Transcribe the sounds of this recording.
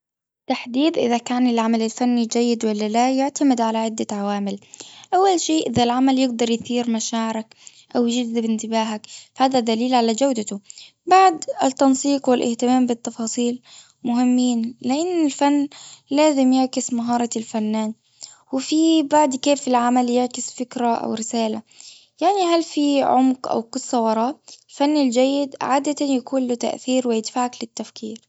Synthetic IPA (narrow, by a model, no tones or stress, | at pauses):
t̪aħd̪iːd̪ʔɪðakaːnɪlʕamalalfanːid͡ʒajːɪd̪walːalajʊʕt̪amɪd̪ʕalaʕɪd̪ːaʕawaːmɪlʔawːalʃeːʔɪðalʕamaljɪɡd̪ɑɾˤjθiːɾmaʃaːʕɪɾak | ʔawjd͡ʒɪd̪ɪbɪnt̪ɪbaːɦakfahaːðad̪aliːlʕalad͡ʒawd̪at̪ʊ | baʕd̪ɪt̪ːɑnsˤiːqwɪlʔɪ̰ht̪ɪmaːmbɪt̪ːɑfɑːsˤiːl | mʊhɪmːiːnlɪʔɪnːɪlfanːlaːzɪmjɪʕkɪsmaɦɑːɾˤɑlfanːaːn | wɪfibaʕd̪keːfɪlʕamaljɪʕkɪsfɪkɾaʔa̰wɾɪsaːla | jaʕniɦalfiʕʊmqʔa̰wkʊsˤːɑwɑɾˤɑːʔlfanːɪld͡ʒajːɪd̪̰ʕaːd̪at̪ajakuːnlʊt̪a̰ʔθiːɾwɪjɪd̪faːʕaklɪt̪ːafkʰiːɾ